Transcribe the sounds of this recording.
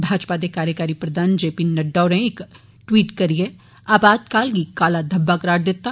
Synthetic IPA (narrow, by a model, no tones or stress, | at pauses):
bʱaːd͡ʒpad̪ekaːɾjəkaːɾipɾɐd̪ʱaːnd͡ʒeːpinɐɖːaːʊnẽɪk | ʈwiːʈkɐɾie | aːbaːd̪kaːlɡikaːlad̪ʱɐbːakɐɾaːɽ̚d̪et̪ːa